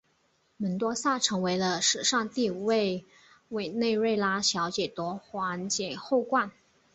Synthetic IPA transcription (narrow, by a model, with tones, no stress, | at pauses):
mə˧˥nt̪wɔ˥sa˥˩ʈ͡ʂʰɤ˧˥ŋwe˧˥ɪlə˧ʂɻ̩˨˩ʂɑ˥˧ŋt̪i˥˩u˨˩we˥˩ɪ | we˨˩ɪne˥˧ɪɻe˥˩ɪla˥ɕjɑ˧˥ʊt͡ɕjɛ˨˩t̪wɔ˧˥xwa˧˥nt͡ɕjɛ˨˩xo˥˧ʊkwa˥˩n